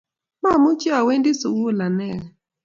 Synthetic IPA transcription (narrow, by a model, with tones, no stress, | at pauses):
ma˦˨mu˦t͡ʃa˨we˦ndɪ˦su˨wu˦˨la˨nɛ˦˨